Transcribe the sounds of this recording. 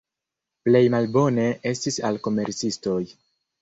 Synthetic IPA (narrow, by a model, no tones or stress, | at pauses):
ple̞jmalbo̞ne̞ʔe̞stisalko̞me̞ɾt͡sisto̞j